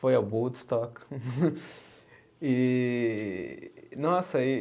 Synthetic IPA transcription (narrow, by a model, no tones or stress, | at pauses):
fojɐbud̪st̪ɔk | i | nɔsɐi